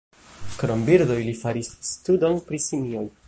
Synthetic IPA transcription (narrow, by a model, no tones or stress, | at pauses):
kɾo̞mbiɾdo̞jlifaɾisːtudo̞npɾisimioj